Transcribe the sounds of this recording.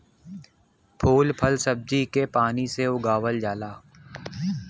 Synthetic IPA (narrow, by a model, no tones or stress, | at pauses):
pʰuːlpʰəlsəb̚d͡ʒikepaːniseʊɡaːwəld͡ʒaːlaː